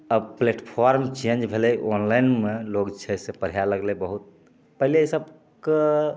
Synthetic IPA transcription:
əbpleʈpʰɔɾmt͡ʃẽnd͡ʒbʱelɛʔonlainmeloɡt͡ʃʰɛsepəɾ̤ijaləɡlebəɦut̪̚ | pəɦileisəb | ke

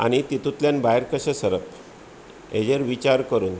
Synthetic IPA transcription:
a̰ñit̪it̪ut̪ljanbaeɾkəɕəsəɾəp | ḛd͡ʑeɾʋit͡ɕaɾkəɾuːn

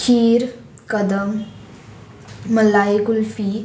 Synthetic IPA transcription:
kʰiːɾ | kəd̪əm | əlaekulfi

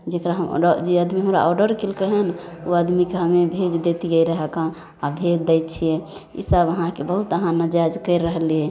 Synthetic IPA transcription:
d͡ʒekɾaɦəm̰əd͡ʒeəd̪miɦəmɾa̰ʔɔɖəɾkilkəɦɛnoəd̪mikeɦəmebʱed͡ʒd̪et̪iɡəiɾəɦɛkã | abʱed͡ʒd̪ɛjt̪t͡ʃʰijɛ̃ḭsəbəɦãkebəɦut̪əɦãnəd͡ʒad͡ʒkəɪɾːəɦliɛ

